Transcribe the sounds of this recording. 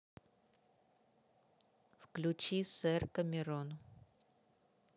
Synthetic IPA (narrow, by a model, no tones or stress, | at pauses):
fklʲʊt͡ɕisɛrkəmʲɪɾon